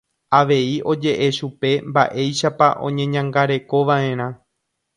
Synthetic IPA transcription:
aʋe̞iʔo̞d͡ʒe̞ʔe̞ʃupe̞mba̰ʔe̞jʃapa̰ʔõ̞̰ɲẽ̞ɲãŋɡaɾe̞ko̞ʋaʔẽ̞ɾ̃ã

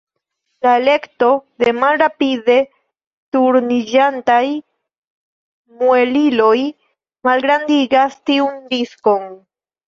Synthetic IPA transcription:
laele̞kto̞d̪e̞malɾapide̞ | tuɾnid͡ʒantaj | mue̞lilo̞j | malɡɾandiɡastiundisko̞n

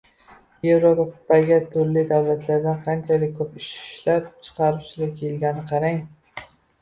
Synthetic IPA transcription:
jevɾob̪aqʊ̥pːaɡʲat̪ʰʊɾlɪd̪awlat̪laɾd̪anqʰɑnt͡ʃʰalɪk̚ʲkʰːɵpɪʃlapt͡ʃʰɨ̥qʰɑɾʊʃlakʲʰelɡʲanɪqʰɑɾaŋ

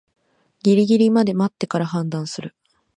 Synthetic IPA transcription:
ɡʲiɾʲiɡʲiɾʲimad̪e̞mat̪ːe̞kaɾaɦãnd̪ãɰ̃sɨɾɯ̟

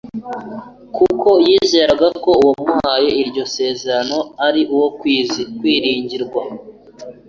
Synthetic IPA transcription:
kukʰo̞jiːze̞ːɾaɡako̞uwomuhaje̞iɾɟo̞se̞ːzeɾano̞aɾiʔuwo̞kwiːzikwiːɾiːɲɟiɾɡwa

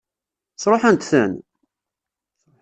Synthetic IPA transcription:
sˤɾˤoħænt̪θæn

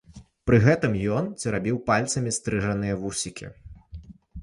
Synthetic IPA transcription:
pɾɨɣɛt̪ɨmjɔnt͡sʲiɾabʲiwpalʲt̪sɐmʲist̪ɾɨʐɐnɨjɐvusʲikʲʰḭ

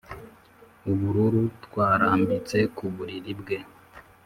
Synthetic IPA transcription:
uβuɾuɾutwaːɾaːmbit͡se̞kuβuɾiɾibɡe̞

